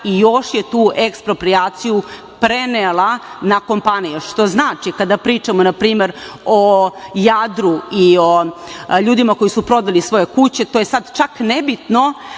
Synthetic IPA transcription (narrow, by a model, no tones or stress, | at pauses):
ijo̞ʃjet̪uːʔekspɾo̞pɾijaːt̪siju | pɾe̞nelˠanako̞mpanijeʂt̪o̞znaːt͡ʃikad̪apɾiːt͡ʃamonapɾiːme̞ɾo̞jad̪ɾuioʎuːd̪imako̞jisupɾo̞d̪alisʋo̞je̞kut͡ɕe̞t̪oːje̞sad̪t͡ʃaknebit̪no̞